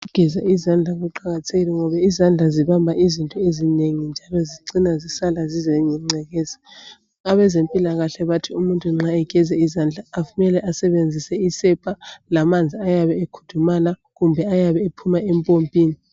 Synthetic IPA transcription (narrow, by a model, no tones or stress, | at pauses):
uɡ̥ʱɛzaizand͡ɮʱaɣuǃaɣatʰeɣilɛŋɔβaizand͡ɮʱaziβambʱaʔizintʼɔezineŋind͡ʒʱalɔziǀinazisalazizɛɲɛŋ͡ǀʱɛɣɛːzḁ | aβɛzempʼilaɣaɬɛβatʰiumuntʼuŋ͡ǁaɛɡ̥ʱɛzɛizaːnd͡ɮʱaːfumɛlɛʔasɛβend͡zʱisɛisɛpʰʼalamand͡zʱiajaβɛekʰu̥tʰumala | ɣumbʱɛajaβɛepʰumaempʼompʼiːni